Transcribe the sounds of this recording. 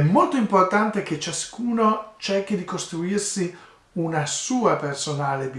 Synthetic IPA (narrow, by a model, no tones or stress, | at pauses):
ɛmːolt̪oimport̪ant̪ek̟et͡ʃːaskuːnot͡ʃɛrk̟id̪ikost̪ɾuirsi | unasuːapersonaːlebi